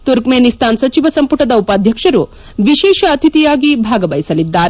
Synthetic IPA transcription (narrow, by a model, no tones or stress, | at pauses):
t̪uɾkmeːnist̪ʰaːnsɐt͡ʃiʋɐsɐmpuʈɐd̪ɐupaːd̪ʱjɐkʂɐɾu | ʋiʃeːʃɐːt̪ʰit̪ijaːɡibʱaːɡɐbɐjisɐlid̪ːaːɾe